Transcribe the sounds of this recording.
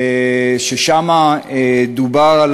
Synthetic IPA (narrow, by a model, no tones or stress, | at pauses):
ʃeʃamaed̪ubaʁal